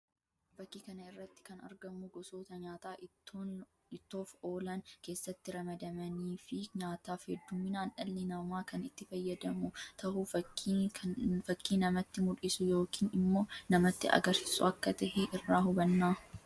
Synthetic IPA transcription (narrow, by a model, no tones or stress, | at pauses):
bɐkːiːkɐnɐɪrːɐt̪ːɪ̥kɐnɐ̰ɾɡɐmʊɡɔsoːt̪ɐɲaːt̪aː | ɪt̪ːo̞ːfo̞ːlɐnke̞ːsːɐt̪ːɪɾɐmɐd̪ɐmɐniːfɪɲaːt̪aːfhɛd̪ːʊmːɪnaːnʔɐlːɪnɐmaːkɐnɪt̪ːɪfɐjːɐd̪ɐmʊt̪ʰɐɦʊfɐ | fɐkːiːnɐmɐt̪ːɪmʊᶑɪsʊjo̞ːkiːnɪmːo̞ːnɐmɐt̪ːɪʔɐ̰ɡɐɾsɪ̥sʊ̰ɐkːɐt̪ɐhɛʔɪrːaːhʊbɐnːaː